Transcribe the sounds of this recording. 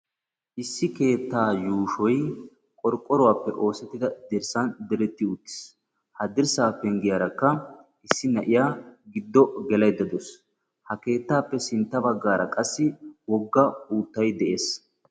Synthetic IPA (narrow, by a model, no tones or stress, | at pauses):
ʔɪsːɪke̞ːt̪ːaːjuːʃɔj | kʼɔɾkʼːɔɾɔwaːpːɛʔo̞ːsɛt̪ːɪd̪ɐd̪ɪɾsɐnd̪ɛɾɛt̪ːɪʊt̪ːɪ̥s | hɐd̪ɪɾsaːpːɛŋɡɪjaɾɐkːɐʔɪsːɪnɐʔɪjaːɡɪd̪ːɔɡɛlɐjd̪ːɐd̪ɔs | hɐke̞ːt̪ːaːpːɛsɪnt̪ːɐbɐɡːaːɾɐkʼɐsːɪwɔɡːɐuːt̪ːɐjd̪ɛʔeːs